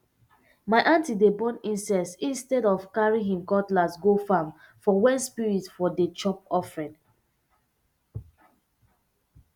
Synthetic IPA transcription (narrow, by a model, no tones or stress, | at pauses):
maɪʔãntidebɔ̃nĩnsɛssĩnstɛdɔvkaɹĩŋɦĩmkɔtlasɡofãmfɔwɛ̃nspiɹitfɔdet͡ʃɔp̚ɔfɹɛ̃n